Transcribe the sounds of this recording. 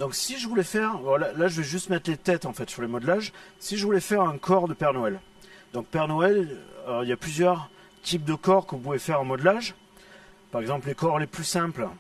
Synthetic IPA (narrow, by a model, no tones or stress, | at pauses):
d̪ɔ̃ksiʒəvulɛfɛʁvɔlalaʒəvɛʒyst̪mɛt̪χlet̪ɛt̪ɑ̃fɛt̪syʁlemɔd̪laʒsiʒəvulɛfɛʁɛ̃kʰɔʁd̪əpɛʁnɔɛl | d̪̥ɔ̃k̚pɛʁnɔɛlɔiljaplyzjœʁ | t̪ʰip̚d̪əkɔʁkɔ̃puvɛfɛʁɑ̃mɔd̪laʒ | paʁɛɡzɑ̃pllekɔʁleplysɛ̃pl